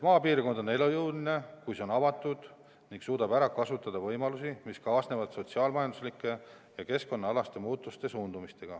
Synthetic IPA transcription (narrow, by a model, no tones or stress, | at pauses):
mɑːpiːrko̞nd̪̥o̞ne̞lojɤwline̞kujseo̞nɑvɑt̪ːˑud̪̥ | niŋɡ̥suːd̪ɑbæɾɑkɑsut̪ːˑɑd̪ɑvɤjmɑlusimiskɑːsne̞vɑd̪̥so̞t̪siɑːlmɑjɑnd̪uslikːˑe̞ | jɑke̞sko̞nːɑɑlɑst̪e̞muːt̪ːˑust̪e̞suːnd̪̥umist̪e̞ɡ̥ɑ̰